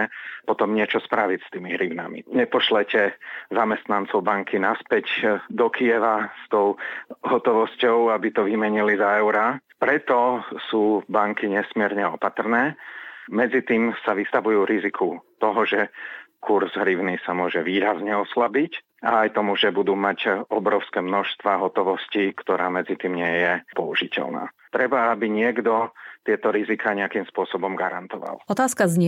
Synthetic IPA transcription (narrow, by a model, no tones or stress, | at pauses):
ɛpɔt̪ɔmɲɪɛt͡ʃɔspɾaʋicst̪iːmiɦɾiʊna̰mḭɲɛpɔʃlɛcɛzamɛst̪nant͡sɔʊbaŋkʰinaspɛɟd̪ɔkiɛʋast̪ɔʊɦɔt̪ɔʋɔscɔʊabit̪ɔʋimɛɲilizaɛʊɾa | pɾɛt̪ɔsuːbaŋkiɲɛsmɪɛɾɲɛɔpat̪r̩nɛːmɛd͡zit̪iːmsaʋist̪aʋujuːɾizikʰut̪ɔɦɔʒɛkʰuɾzɦɾiʊnisamʊɔʒɛʋiːɾazɲɛɔslabic | aajt̪ɔmuʒɛbud̪uːmacɔbɾɔʊskɛːmnɔʃst̪ʋaːɦɔt̪ɔʋɔscikt̪ɔɾaːmɛd͡zit̪iːmɲɪɛjɛpɔuʒicɛ̰lna̰ːt̪ɾɛbaabiɲɪɛɡd̪ɔt̪ɪɛt̪ɔɾizikaːɲɛakimspʊɔsɔbɔmɡaɾa̰nt̪ɔʋa̰lɔt̪aːskazɲ